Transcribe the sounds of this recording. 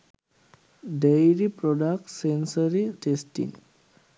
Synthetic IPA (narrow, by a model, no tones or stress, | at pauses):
ɖejɾipɾoɖak̚ʈsensəɾiʈesʈḭŋ